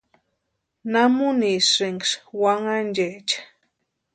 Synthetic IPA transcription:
namunisɾiŋɡʃwaŋand͡ʒet͡ʃḁ

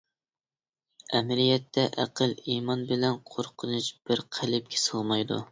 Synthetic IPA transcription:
ɛmɪɾijɛt̪ʰːɛʔæ̰qʰəlˠimɑnbɪlɛnqʰoɾqʰənut͡ʃb̥ɪɾqʰælɪp̚kʲʰɛ̥sɑlˠmɑjd̪ṵ

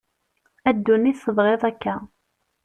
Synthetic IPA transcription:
æd̪ːunːisəðˤʁeðˤækːæ

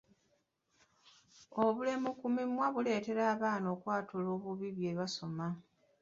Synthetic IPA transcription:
oβule̞mukumimwaβule̞ːte̞ɾaːβaːno̞ːkwaːtulo̞ːβuβiβje̞ːβaso̞ma

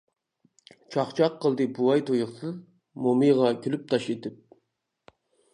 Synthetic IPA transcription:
t͡ʃʰɑχt͡ʃʰɑqʰːəlˠd̪ɨbuɑjt̪ʰojʊχsɨz | momɨjʁɑkʲʰylyp̚t̪ʰɑʃet̪ʰɪp̚

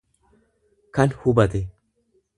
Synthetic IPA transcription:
kɐnhʊbɐt̪ɛ

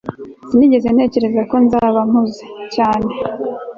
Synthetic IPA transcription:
siniɟe̞ze̞nhe̞ːce̞ɾezako̞nzaːβamuze̥caːne̞

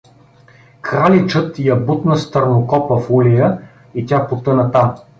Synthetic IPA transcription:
kɾalit͡ʃət̪ijɐbut̪nəst̪əɾnokɔpəfulʲijə | itʲapot̪ɤnɐt̪am

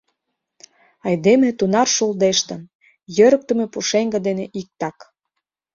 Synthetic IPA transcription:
ɑjd̪emĕt̪unɑrʃuld̪eʃt̪ə̆n | jøɾək̚t̪ə̆mepuʃeŋɡə̆d̪eneʔik̚t̪ɑk

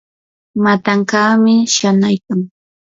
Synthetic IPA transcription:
mat̪aŋkaːmɪʃanajkaŋ

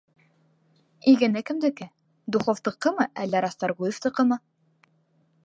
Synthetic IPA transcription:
iɡɘ̆nɘkɘ̆md̪ɘ̆kɘ | d̪uχoft̪ɤ̆qːɤmɤʔælːæɾɑst̪ɑɾʁujeft̪ɤ̆qɤ̆mɤ

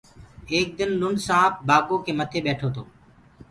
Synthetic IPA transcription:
eːk̚d̪ɪnlʊɳsãːp̚baːkoːkʰeːmət̪ʰeːɓeːʈʰoːt̪ʰo̰ː

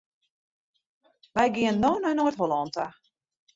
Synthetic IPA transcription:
ʋɛjɡiənːoːnanoətɦolɔnta

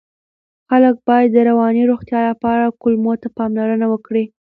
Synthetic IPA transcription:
xalək̚bɑjad̪ːəɾawɑniɾoxt̪jɑlapɑɾakʊlmot̪apɑmlaɾənawəkɽi

